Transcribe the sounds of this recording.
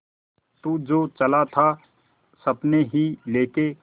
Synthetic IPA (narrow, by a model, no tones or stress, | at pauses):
t̪ud͡ʒoːt͡ʃəlat̪ʰa | sɐbneɦileːke